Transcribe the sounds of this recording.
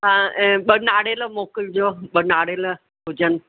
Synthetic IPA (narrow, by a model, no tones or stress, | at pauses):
ɦãɓənaːɽelomokəld͡ʒoɓənaːɽelə | bʱud͡ʒən